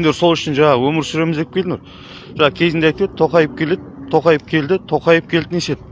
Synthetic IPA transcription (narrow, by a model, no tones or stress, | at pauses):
end̪eso̞lˠʏʃɪnʒɑɴɑwɵmɪɾsʏɾe̞mɪzd̪epkʲʰelɪnuɾ | ʒɑʁəkʲʰe̞zɪnd̪eɑjt̪e̞d̪ɪt̪ʰo̞qɑjəp̚kʲʰe̞le̞d̪ɪt̪ʰo̞qɑjəp̚kʲʰe̞ld̪ɪt̪ʰo̞qɑjəp̚kʲʰeld̪ɪnese̞d̪ɪ̥